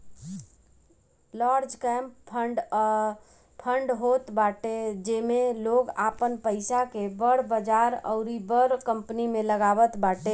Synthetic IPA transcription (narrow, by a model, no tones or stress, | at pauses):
laɾd͡ʒkɛmppʰəɖ | pʰəɳɖɦot̪baʈed͡ʒemeloɡapənpəɪsakebəɽbəd͡ʒaɾə̰ʊɾibəɾkəmpnimẽləɡabət̪baʈe